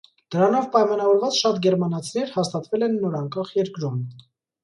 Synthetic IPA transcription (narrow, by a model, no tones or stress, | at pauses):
d̪̥əɾɑnɔvpɑjmɑnɑvɔɾvɑt͡sʃɑt̪ɡɛɾmɑnɑt͡sʰinɛɾhɑst̪ɑt̪vɛlɛnːɔɾɑŋkɑχjɛɾkɾum